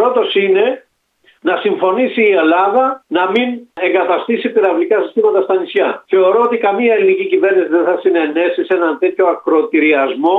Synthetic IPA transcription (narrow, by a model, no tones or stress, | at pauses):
pɾo̞t̪o̞sine̞ | nɐsiɱfo̞nisiːelɐðɐnɐmine̞ŋɡɐt̪ɐst̪isipiɾɐvlikɐsist̪imɐt̪ɐst̪ɐnisçɐθe̞o̞ɾo̞ot̪ikɐmiɐelinicicive̞ɾnisiðenθɐsine̞ne̞sise̞nɐnt̪e̞t̪ço̞ɐkɾoːt̪iɾiɐzmo̞